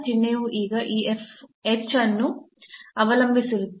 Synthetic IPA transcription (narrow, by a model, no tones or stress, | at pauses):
t͡ʃinːeːʋuʔiːɡɐʔiːefekt͡ʃɐnːu | ɐʋɐlɐmbʱisiʋi